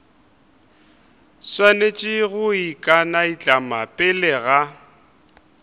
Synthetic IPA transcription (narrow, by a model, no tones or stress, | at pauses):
swanet͡ʃʼɪɣʊikʼanait͡ɬʼamapʼɪlɛɣa